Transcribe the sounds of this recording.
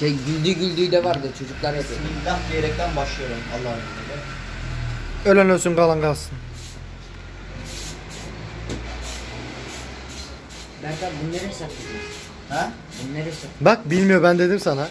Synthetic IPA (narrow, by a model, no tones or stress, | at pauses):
ɛɟylʲd̪yɟylʲd̪yjd̪ɛvaɾd̪ɯt͡ʃʰo̞d͡ʒuklˠaɾeb̪ind̪axd̪ijeɾɛc̚t̪ʰænbaʃlˠɯjoɾuma̰lˠːaelɛ | ølʲænøɾsynɡalˠanɡalˠsɯn | bæɾt̪ʰalbunːˠeɾɛsakt̪ed͡ʒ̪i | hɛ | bunlːˠeɾɛsabak̚bilʲmijoɾbænd̪e̞d̪imsana